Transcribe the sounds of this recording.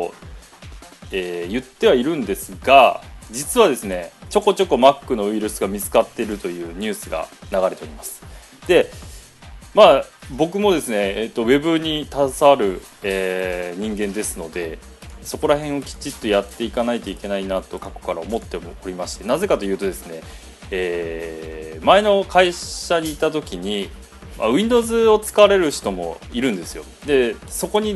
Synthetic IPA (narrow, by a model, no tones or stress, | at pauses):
o̰ | eːjɯ̟t̪ːe̞βaiɾɯ̟̃nd̪e̞sɨɡad͡ʑit͡sɨβad̪e̞sɨne̞t͡ɕo̞kːo̞t͡ɕo̞kːo̞makːɯ̟no̞ɯ̟iɾɯ̟sɨɡamʲit͡sɨ̥kat̪ːe̞ɾɯ̟t̪o̞jɯ̟ːɲ̟ɨːsɨɡa̰naɡaɾe̞t̪eoɾʲimasɨ̥ | d̪̥e̞ | maːbo̞kɯ̟mo̞d̪e̞sɨne̞ːt̪ːo̞βe̞bɯ̟ɲ̟it̪asaːɾɯ̟eːɲ̟ĩŋɡẽ̞nd̪e̞sɨno̞d̪e̞ | so̞ko̞ɾahẽ̞ɰ̃o̞kʲi̥t͡ɕit̪ːo̞jat̪ːe̞ikanait̪o̞ike̞nainat̪o̞kako̥kaɾaomo̞t̪ːe̞moɾʲimaɕi̥t̪e̞naze̞kat̪o̞jɯ̟ːt̪o̞d̪e̞sɨne̞ | eː | mae̞no̞kaiɕaɲ̟iːt̪at̪o̞kʲiɲ̟i | ma̰ɯ̟ĩnd̪o̞ːzɨo̞t͡sɨ̥kaβaɾe̞ɾɯ̟çi̥t̪o̞mo̞̰iɾɯ̟̃nd̪e̞sɨjo̞̰ | d̪e̞so̞ko̞ɲ̟i